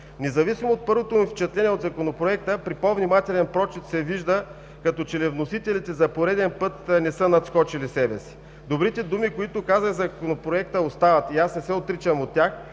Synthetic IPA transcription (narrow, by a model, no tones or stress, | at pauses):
nɛzɐvisimoːt̪̚pɤɾvot̪omift͡ʃɛt̪lɛniɛod̪zɐkonopɾoɛk̚t̪əpɾipovnʲimat̪ɛlɛnpɾɔt͡ʃɛt̪sɛviʒd̪ə | kɐt̪ɔt͡ʃɛlɛvnosit̪ɛlit̪ɛzɐpoɾɛd̪ɛnpɤt̪nɛsənɐt̪skɔt͡ʃilisɛbɛsi̥ | d̪obɾit̪ɛd̪umikoit̪ʊkazəɣzɐkonopɾoɛkt̪əost̪avɐt̪iasnɛsɛot̪ɾit͡ʃəmot̪ːʲax